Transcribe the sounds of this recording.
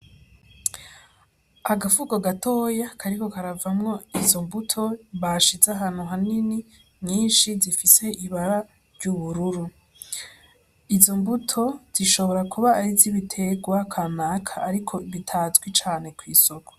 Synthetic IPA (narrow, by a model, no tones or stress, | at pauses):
aɡafuɡo̞ɡato̞ːjakʰaɾiko̞kaɾavamŋo̞izo̞mbutʰo̞βaʃizaɦan̥uɦanini | mŋiːnʃizifise̞iβaɾa | ɾɟuβuɾuɾu | izo̞mbutʰo̞z̥iʃo̞βo̞ɾakʰuβaːɾizziβitʰe̞ɡwakʰanaːkʰaːɾikʰo̞βitʰazɡwit͡ʃaːne̞kwiːso̞ko̥